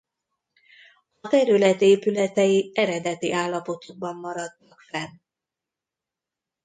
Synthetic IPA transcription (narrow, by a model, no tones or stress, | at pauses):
ɒt̪ɛɾylɛt̪eːpylɛt̪ɛjiɛɾɛd̪ɛt̪iʔaːlːɒpo̞t̪oɡ̚bɒmːɒɾɒt̪ːɒkfɛn